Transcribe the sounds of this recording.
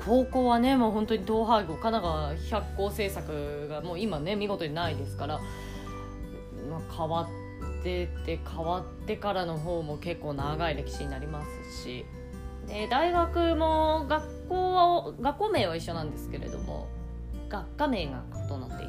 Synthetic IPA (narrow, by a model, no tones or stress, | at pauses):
kʰo̞ːko̞ːβane̞moːɦõ̞nt̪o̞ɲ̟it̪o̞ːɦaiɡoːkanaɡaçakːo̞ːse̞ːsakɯ̟ɡamo̞ːimane̞mʲiɡo̞t̪o̞ɲinaid̪e̞sɨ̥kaɾa | makʰaβat̪ː | e̞t̪e̞kʰaβat̪ːe̞kaɾano̞ɦo̞ːmo̞ke̞kːo̞ːnaɡaiɾe̞kʲi̥ɕiɲ̟inaɾʲimasɨ̥ɕḭ | ed̪aiɡakɯ̟mo̞ɡakːo̞ːβaɡakːo̞ːme̞ːβ̞aiɕːo̞nãnd̪e̞sɨ̥ke̞ɾe̞̰d̪o̞̰mo̞̰ | ɡ̥akːame̞ːɡakɯ̟̥t̪o̞nat̪ːe̞̰i